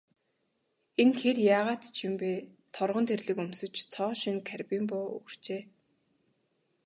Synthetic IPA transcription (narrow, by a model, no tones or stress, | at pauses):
enxerjaːʁaːt̪t͡ɕʰimpeːt̪ʰɔrʁɞ̆nt̪ʰerɮɘ̆kɵmsɵ̆t͡ɕt͡sʰɔːʃinkʰærpʲiːmpʊːɵ̰r̥t͡ɕeː